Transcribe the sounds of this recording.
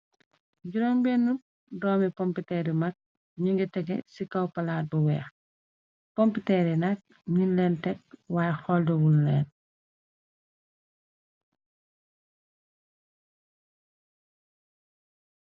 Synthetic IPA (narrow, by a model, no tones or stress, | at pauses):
ɟuɾoːmbeːnːu | dɔːmipɔmpitɛɾimak̚ | ɲiŋɡɛtɛɡɛ̰sikawpalaːt̚buwɛːx | pompitɛɾinak̚ | ɲinlɛːntɛk̚waːjxɔldɔwulːɛːn